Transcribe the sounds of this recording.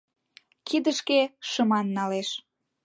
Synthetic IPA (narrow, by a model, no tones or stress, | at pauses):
kʰid̪əʃkeʃəmɑnːɑleʃ